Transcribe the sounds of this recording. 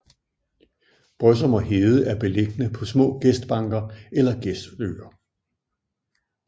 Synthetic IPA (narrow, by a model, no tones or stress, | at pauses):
b̥ʁœs̬ɐmɒ̽ɦeð̩ˠəʔæɐb̥e̝leɡ̥ənəpʰɒ̽smɔ̰̽ːɡ̥esd̥b̥ɑ̈ŋ̰ɡ̥ɐelɐɡ̥esd̥lø̰ːɐ